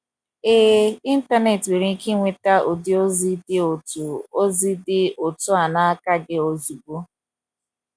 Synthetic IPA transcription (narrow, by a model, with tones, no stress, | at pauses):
e˦i˦n̩˦ta˦ne˨twe˨ɾi˨˦ki˦ŋʷe˨ta˦ʔo˨dɪ˦o˦zi˦dɪ˦o˨tu˨o˦zi˦dɪ˦o˨tʊ˦a˨na˦ka˦ɡɪ˦o˨zu˨bo˦